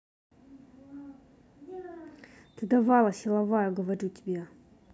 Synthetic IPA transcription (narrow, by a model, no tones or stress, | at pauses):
t̪ɨd̪avalˠəsilˠavajɐɡəvaɾʲutʲi̥bʲe